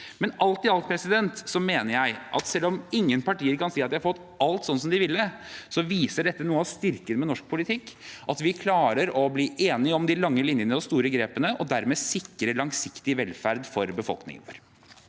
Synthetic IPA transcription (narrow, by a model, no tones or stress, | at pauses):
mɛnɑlt̪ɪɑlt̪̚pʰɾɛsɪd̪ɛnt̪sɔmeːnəɾjæɪʔɑ̰t̪sɛlːɔmɪŋːənpʰɑʈiːəɾkɑnsiːɑt̪d̪ɪhɑɾfɔt̪ː | ɑlt̪sɔnːsɔmd̪ɪʋɪlːəsɔʋiːsəɖɛt̪ːənuːəɑst̪ɪɾkənmɛnɔʂk̚pʰʊlɪt̪ʰɪkːʔɑt̪ʋɪkʰlɑːɾəɾɔbliːʔeːnɪɔmd̪ɪlɑŋːəlɪnjənəɔst̪uːɾəɡɾeːpənəʔɔd̪æɾmeːsɪkːɾəlɑŋsɪkt̪ɪʋɛlfæɾd̪fɔɾbəfɔ̰lknɪ̰ŋəə̰ɾ